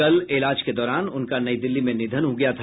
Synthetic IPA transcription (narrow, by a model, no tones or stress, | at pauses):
ɐlɪlaːd͡ʒked̪ɔːɾaːnʊnkanɐid̪ɪlːimẽnɪd̪ʱənɦoɡɐjat̪ʰa